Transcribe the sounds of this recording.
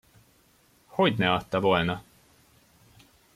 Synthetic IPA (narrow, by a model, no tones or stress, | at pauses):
ho̞ɟnɛɒt̪ːɒvo̞lnɒ